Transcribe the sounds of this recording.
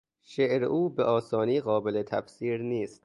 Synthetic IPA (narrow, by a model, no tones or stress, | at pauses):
ʃeʔɾḛʔuːbeʔɒːsɒːniːɣɒːbele̞t̪ʰæfsiːɾniːst̪